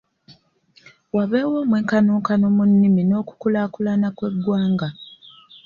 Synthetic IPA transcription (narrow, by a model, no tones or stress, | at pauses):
waβeːwoːmweːŋkanoːŋkanomunːimino̞ːku̥kulaːkulanakwe̞ɡːwaːŋɡa